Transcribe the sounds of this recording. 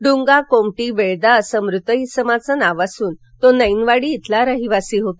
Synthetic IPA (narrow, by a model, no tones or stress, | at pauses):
ɖuŋɡakomʈiʋeɭd̪aəsəmɾut̪əɦisəmat͡sənaʋasuːn | t̪onəjnʋaɽiːt̪ʰlaɾəɦiʋasiɦot̪